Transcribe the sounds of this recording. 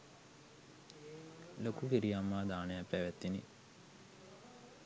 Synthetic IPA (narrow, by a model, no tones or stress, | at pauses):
lokufiɾijamːaːd̪aːnejapːæʋæt̪ːini